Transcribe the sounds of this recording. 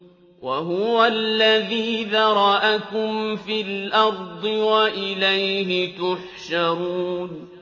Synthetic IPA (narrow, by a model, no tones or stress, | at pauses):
waɦʊwalːaðiːðɑɾˤɑʔakʊmfiːlʔɑɾˤd̪ˤɨwaʔɪlajɦɪt̪ʊħʃaɾuːn